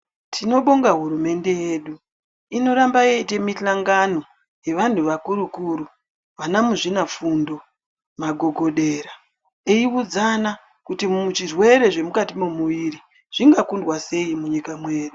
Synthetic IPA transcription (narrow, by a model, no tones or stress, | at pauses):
tʰino̞ɓo̞ŋɡaɦuɾume̞nde̞je̞ɗu | ino̞ɾambajeite̞miɬaŋɡano̞ | je̞ʋan̤uʋakuɾukuɾu | ʋanamuʐinafundo̞ | maɡʱo̞ɡʱo̞ɗeɾa | eiud͡zana | kutiut͡ʃirwe̞ɾe̞ʐe̞mukatimomuʋiri | ʐ̥iŋɡakundwase̞imuɲikamwe̞ːɗu